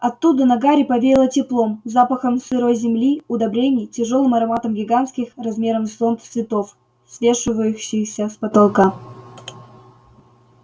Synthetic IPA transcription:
ɐt̪ːud̪ənɐɡaɾʲɪpɐvʲeɾʲɪlˠətʲɪplˠo̞mzapəxəmsɨɾojzʲɪmlʲiʊd̪ɐbɾʲenʲɪjtʲɪʐo̞lˠɨmɐɾɐmat̪əmɡʲɪɡant̪skʲɪxrɐzmʲe̞ɾəmsont̪svʲɪt̪of | svʲe̞ʂɨvəjɕɪsʲəspɐt̪alˠka

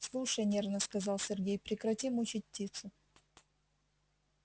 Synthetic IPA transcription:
slˠuʂəjnʲervnəskɐzɑlˠsʲɪrɡʲejpɾʲɪkɾɐtʲimʊt͡ɕit̚ʲptʲːit̪sʊ

